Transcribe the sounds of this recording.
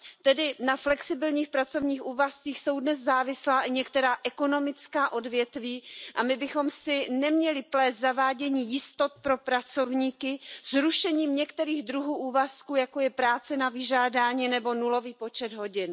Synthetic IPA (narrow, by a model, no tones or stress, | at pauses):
t̪ɛdɪnaflɛksɪbɪlɲiːxpɾat͡so̞vɲiːxʔuːvast͡siːxso̞wdnɛszaːvɪslaːʔɪɲɛkt̪ɛɾaːʔɛko̞no̞mɪt͡skaːʔo̞dvjɛt̪viːʔamɪbɪxo̞msɪnɛmɲɛlɪplɛːst̪zavaːɟɛɲiːjɪst̪o̞t̪̚pɾo̞pɾat͡so̞vɲiːkɪzɾuʃɛɲiːmɲɛkt̪ɛɾiːɣd̪ɾuɦuːʔuːvaskuːjako̞jɛpɾaːt͡sɛnavɪʒaːdaːɲiːnɛbo̞nulo̞viːpo̞t͡ʃɛd̪ɦo̞ɟɪn